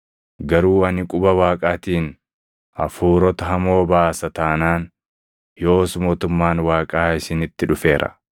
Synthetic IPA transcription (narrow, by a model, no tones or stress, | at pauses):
ɡɐɾuːɐnɪkʼʊbɐwaːkʼaːt̪iːn | ɐ̰fuːɾɔt̪ɐɦɐmo̞ːbaːsɐt̪aːnaːn | jo̞ːsmo̞ːt̪ʊmːaːnwaːkʼaːɪsɪnɪt̪ːɪᶑʊfe̞ːɾʔɐ̰